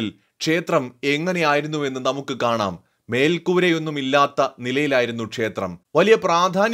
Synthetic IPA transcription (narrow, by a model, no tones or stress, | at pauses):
il | kʂe̞ːt̪rɐme̞ŋːɐne̞jaːjiɾunːue̞nːɨnɐmukːɨkaːɳa̰ːmː | e̞ːlkuːɾejo̞nːumilːaːt̪ːɐnilɐjilaːjiɾunːukʂe̞ːt̪rɐ̰mʋɐlijɐpraːd̪ʱaːn